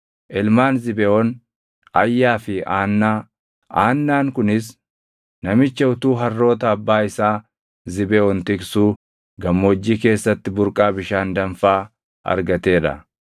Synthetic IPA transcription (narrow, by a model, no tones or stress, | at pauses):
ʔɪlmaːnzɪbɛɔn | ɐjːaːfɪaːnːaː | aːnːaːŋkʊnɪs̬ | nɐmɪt͡ʃːɐʊt̪uːɦɐrːo̞ːt̪ɐːbːaːɪsaː | zɪbɛɔnt̪ɪksuː | ɡɐmːoːd͡ʒːiːke̞ːsːɐt̪ːɪbʊɾkʼaːbɪʃaːnd̪ɐɱfaː | ɐ̰ɾɡɐt̪e̞ːᶑɐ̰